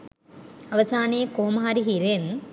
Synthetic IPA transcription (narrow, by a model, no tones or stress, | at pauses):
ɐʋɐsaːneːkoːmaaːɾiɦiɾen